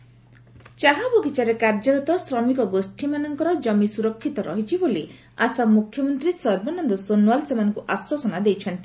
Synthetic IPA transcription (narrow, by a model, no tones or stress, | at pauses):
t͡ʃaɦaboɡit͡ʃaɾekaɾd͡ʒɔɾɔt̪ɔsɾɔmikɔɡosʈʰimanɔŋkɔɾɔd͡ʒɔmisuɾɔkʰːit̪ɔɾɔɦit͡ʃʰiboli | a̰samukʰjɔmɔnt̪ɾisɔɾbɔnɔnd̪ɔsonwalsemanɔŋkuʔaswɔsɔnad̪ejt͡ʃʰɔnt̪i